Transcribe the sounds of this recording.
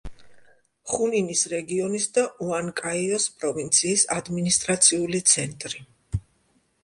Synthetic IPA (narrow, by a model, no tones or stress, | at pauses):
χuninisɾɛɡiɔnisd̪aʔuaŋkʼaiɔspʼɾɔvint̪sʰiːsad̪minist̪ʼɾat̪sʰiulit̪sʰɛnt̪ʼɾi